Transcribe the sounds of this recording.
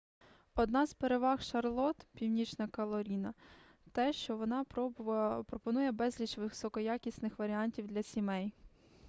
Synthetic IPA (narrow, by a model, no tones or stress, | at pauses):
ɔd̪nɑzpeɾeʋɑxʃɐrlˠɔt̪pʲiwnʲit͡ʃnɐkɔlˠɔɾʲinɐ | t̪ɛʃt͡ʃɔʋɔnɑ | pɾɔpɔnujɛbɛzʲlʲit͡ʃʋɪsɔkɔjakʲisʲnɪxʋɐɾʲiɑnʲtʲiwd̪lʲɐsʲimɛj